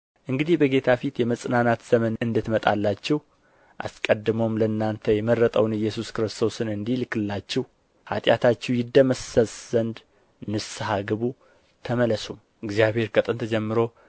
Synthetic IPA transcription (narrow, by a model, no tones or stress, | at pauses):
ʔɨŋɡɨd̪ihbəɡe̞t̪ʰafit̪jɛməsʼnanat̪z̥əmənɨnd̪ɨt̪mət̪ʼa̰lːat͡ʃːɛh | ʔa̰skʼəd̪ːɨmomləɨnːant̪ʰəjɛmərːət̪ʼəwnɨjːɛsuskɨɾɨst̪ʰo̞sɨnɨnd̪ihlɨkːɨlːat͡ʃːɛw | ha̰t̪ʼjat̪ʰat͡ʃːɛwjɪd̪ːəməsəsʼzənd̪ | nɨshaɡɨβu | t̪ʰəmələsum | ɨɡzjaβhe̞ɾkʰət̪ʼɨnt̪ʰəd͡ʒɛmːɨɾo̞